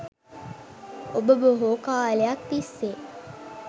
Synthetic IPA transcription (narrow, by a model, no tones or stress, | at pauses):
obəbəɦoːkaːlejak̚t̪isːe